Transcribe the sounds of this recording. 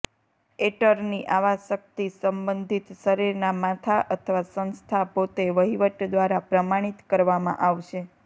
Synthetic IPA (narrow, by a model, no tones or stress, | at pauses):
eʈəɾniʔaʋaʃək̚t̪isəmbənd̪ʱit̪ʃəɾiɾnamat̪ʰaʔət̪ʰəʋasə̃nst̪ʰapot̪eʋəɦiʋəʈd̪ʋaɾapɾəmaɽ̃it̪kəɾʋamã̰ʔaʋʃe